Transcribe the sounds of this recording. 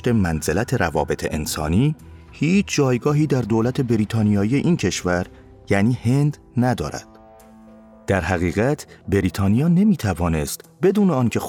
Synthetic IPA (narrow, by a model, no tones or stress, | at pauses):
t̪e̞mænzelæt̪ʰeɾævɒ̰ːbe̞t̪ʰeʔensɒ̰ːniː | hiːt͡ʃʰd͡ʒɒːjɡɒːɦiːd̪æɾd̪oːlæt̪ʰe̞beɾiːt̪ʰɒːnijɒːije̞ʔiːncʰe̞ʃvæɾ | jæniːhe̞nd̪ | næd̪ɒːɾæ̰d̪̥ | d̪̥æɾhæɣiːɣæt̪ʰbeɾiːt̪ʰɒːnijɒːne̞miːt̪ʰævɒːne̞st̪be̞d̪uːneɒːncʰe̞x